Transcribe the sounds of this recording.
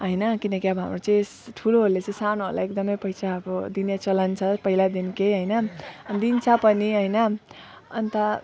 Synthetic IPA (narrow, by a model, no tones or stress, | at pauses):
ɦʌjnʌkinʌkiʌbʌɦa̰mrot͡sʌĩesʈʰuloɦolːet͡sʌĩsanoɦo̰la̰ekd̪ʌmʌjpʌjt͡sʰaːbʌd̪injat͡sʌlant͡sʰʌpʌɦilad̪inkejɦʌjnʌʌnd̪int͡sʰʌpʌniɦʌjnʌ | ʌ̰nt̪ʌ